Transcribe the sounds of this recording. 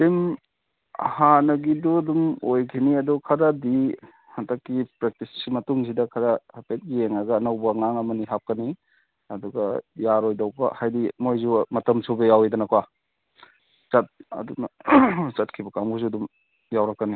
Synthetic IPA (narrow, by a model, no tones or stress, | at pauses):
tem | hanɐɡiduɐdumojkʰiniɐdukʰɐɾadi | hɐtɐkːipɾek̚tissimɐtuŋs̬idɐkʰɐɾɐhapet̚ɡieŋaɡɐːnɐwbɐŋaŋɐmɐniɦap̚kɐni | ɐduɡɐjaɾojdɐwbɐ̰hajdimojzumɐtɐmsʰubejawidɐnɐkwa | t͡ʃɐt̚ɐ̰dunɐt͡ʃɐt̚kʰibɐkamɡuzudum | jawɾɐkːɐni